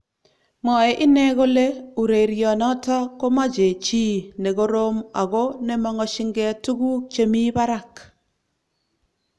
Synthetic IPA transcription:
mɔ˨ɛ˨ʔɪ˦nɛ˦ɣo˦le˦u˨ɾe˨ɾjɔ˨nɔ˦tɔ˦ko˦ma˦d͡ʒe˨t͡ʃi˦ne˨ɡo˦ɾo˦ma˨ɣo˦ne˦mɔ˦ŋɔ˦ʃɪ˦ŋɡɛ˦a˦tu˦ɡu˦t͡ʃe˨mi˦ba˦ɾa˦˨k

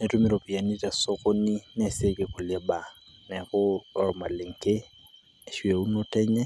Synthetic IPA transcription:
nɛ˨tu˦mi˦ɾo˨pi˨a˨ni˦ta˨so˦ko˦ni˦nɛ˦˨se˦ke˨ku˨lɛ˦ba˨ | nɛ˨kʊ˦ɔ˨ɾma̰˨lɪ˨ŋ˨ke˦˨ | ʃwe˨u˦no˦tɛ˦ɲɛ˦

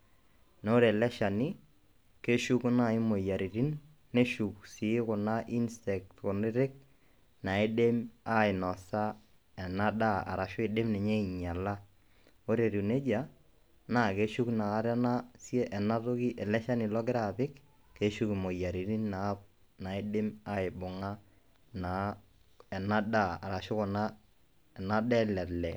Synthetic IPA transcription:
no˦ɾe˨lɛ˦ʃa˨ni˦ | ke˦ʃu˦kna˦˨ɪ˦mo˨ja˨ɾi˨ɾi˦nː | e˦ʃu˨ksɪ˨˦kʊ˨na˦ʔi˦nstɛ˨k̚tkʊ˨nɪ˦ɾɪ˦k̚ | na˨e˦de˦ma˦ɪ˨nɔ˨sa˦ | ɛ˨na˦da˦a̰˨ɾa˨ʃʊ˦ɪ˨de˦mnɛ˨ɲe˦i˨ɲa˨la˦ | o˦ɾe˨ɾu˨ne˦d͡ʒa˨ | na˦˨ke˦ʃu˦knaː˨˦ɾa˦na˦sje˦ʔɛ˨na˦tʊ˦ki˦ʔɛ˨lɛ˦ʃa˦nɪ˨lɔ˦ɡɪ˦ɾa˨pɪ˦kː | e˦ʃu˦kɪ˨mo˨ja˨ɾi˨ɾi˦nnaː˨˦p̚ | na˨ɪ˦dɪ˦ma˦ɪ˨bʊ˨ŋa˦ | na˨ | ɛ˨na˦da˦a̰˨ɾa˨ʃʊ˦kɔ˨na˦ | ɛ˨na˦dɛ˦lɛ˨tlɛ̰˨

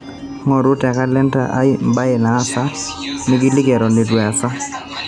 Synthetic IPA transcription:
ŋɔ˨ɾʊ˦ta˨ka˦lɛ˦nta̰˨ʔa̰˦ɪ˦mba˦ɛ˨naː˨˦sa˦nɪ˦ɡɪ˦lɪ˦ɡɛ˨ɾɔ˨nɪ˨dwɛ˨a˨sa˦

